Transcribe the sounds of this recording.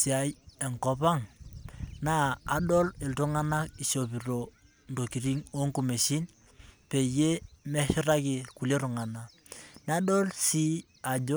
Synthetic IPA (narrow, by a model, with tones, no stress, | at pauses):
si˨a˨˦je˨ŋko˦pa˦ŋ | naː˦˨ɗo˦li˨ltu˦ŋa˦na˦ki˨ʃo˨pi˨ɾo˨ | n˨do˨ki˨ɾi˦ŋo˦ŋku˦˨me˨ʃi˦n | pe˨je˦mɛ˦ʃi˦ɾa˦ki˨ku˨le˦ɾu˨ŋa˨na˨ | na˦ɗo˦lsi˦ | a˨d͡ʒo˦